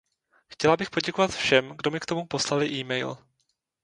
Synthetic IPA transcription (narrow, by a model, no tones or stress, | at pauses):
xcɛlabɪxpo̞ɟɛko̞vat̪fʃɛmɡdo̞mɪkt̪o̞mupo̞slalɪʔiːmɛjl